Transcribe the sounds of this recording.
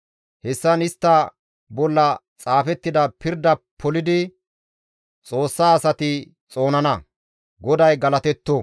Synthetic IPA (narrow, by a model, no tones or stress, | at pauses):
hɛsːɐnɪst̪ːɐ | bɔlːɐ | t͡sʼaːfɛt̪ːɪd̪ɐpɪɾd̪ɐpʰːɔlɪd̪ɪ | t͡sʼo̞ːsːaːsɐt̪ɪ | t͡sʼo̞ːnɐnɐ | ɡɔd̪ɐjɡɐlɐt̪ɛt̪ːo